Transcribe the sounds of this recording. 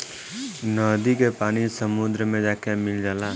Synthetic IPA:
nɔːd̪ikepaːnisəmʊd̪ɾəmẽd͡ʒaːkemɪld͡ʒaːlaː

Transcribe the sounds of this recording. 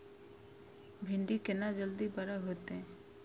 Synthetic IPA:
bʱɪɳɖikenad͡ʒəld̪ibaɾaɦot̪ẽ

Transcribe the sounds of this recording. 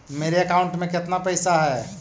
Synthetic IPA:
meːɾeɐkaʊɳʈmẽkɪt̪napɛjsaɦɛ

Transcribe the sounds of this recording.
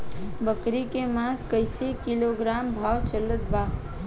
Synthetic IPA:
bəkɾikemãskəɪsekiloɡɾaːmbʱaːwt͡ʃələt̪̚baː

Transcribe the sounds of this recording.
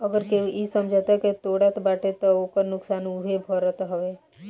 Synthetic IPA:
əɡəɾkeisəmd͡ʒʱət̪ɛket̪oːɽat̪baːʈʰet̪ɔokəɾnʊksaːnuɦebʱəɾət̪ɦəʋe

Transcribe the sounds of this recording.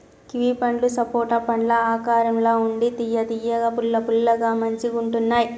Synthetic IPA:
kiʋiːpɐɳɖlusɐpoːʈɐpɐɳɖlɐaːkaːɾɐmloːuɳɖit̪ijɐd̪ijɐɡɐpulːɐpulːɐɡaːmɐɲt͡ʃiɡuɳʈunːaːji

